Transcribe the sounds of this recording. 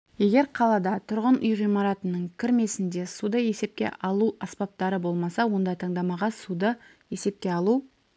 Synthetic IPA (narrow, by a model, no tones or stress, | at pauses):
je̞ɡʲe̞ɾqʰɑlˠɑd̪ɑt̪ʰʊɾʁənʔʊjʁijmɑɾɑt̪ənəɴkʲʰɪɾme̞sɪnd̪e̞sud̪əje̞se̞p̚kʲḛʔɑlˠuɑspɑp̚t̪ɑɾəbo̞lˠmɑsɑwo̞nd̪ɑjt̪ʰɑɴd̪ɑmɑʁɑsud̪ə | je̞se̞p̚kʲe̞ɑlˠu